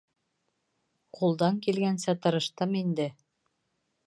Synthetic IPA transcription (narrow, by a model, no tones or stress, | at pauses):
qulˠd̪ɑŋkilɡænsæt̪ɤ̆ɾɤ̆ʃt̪ɤmind̪ɘ